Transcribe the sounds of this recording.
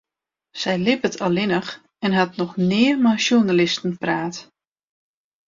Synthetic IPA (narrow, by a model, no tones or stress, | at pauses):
sɛjlɪpətʰɔlˠɪnəx | ɛnɦatnɔxnɪːərmaʃjunalɪstən̩praːt